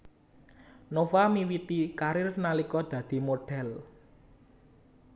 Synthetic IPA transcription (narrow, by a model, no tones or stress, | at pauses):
nofamiwit̪ikaɾɪrnalikɔd̪̥ä̤d̪̥i̤moɖ̥ɛ̤l